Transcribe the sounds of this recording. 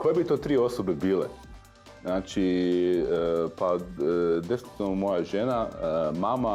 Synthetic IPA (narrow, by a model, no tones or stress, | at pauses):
kojebit̪oːt̪ɾio̞sobebiːlḛ | znaːt͡ʃi | pa | d̪efinit̪inomo̞jaʒe̞namama